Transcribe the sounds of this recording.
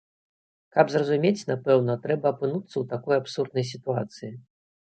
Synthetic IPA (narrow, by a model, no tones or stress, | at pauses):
kɐbzrɐzumʲet͡sʲnapɛwnɐt̪ɾɛbɐːpɨnut̪sːɐwt̪akɔjapsurd̪nɐjs̬ʲit̪uat̪sɨji